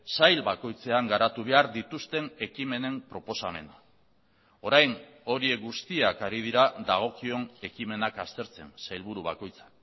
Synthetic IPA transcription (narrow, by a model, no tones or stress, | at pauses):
sajlβako̞jt͡se̞aŋɡaɾat̪uβ̞e̞aɾd̪it̪ust̪e̞ne̞kime̞ne̞mpɾo̞po̞same̞̰na | o̞ɾajn | o̞ɾie̞kɡust̪iakaɾið̞iɾad̪aɣ̞o̞kio̞ne̞kime̞nakast̪e̞ɾt͡se̞̰nsajlβuɾuβ̞ako̞jt͡sḁ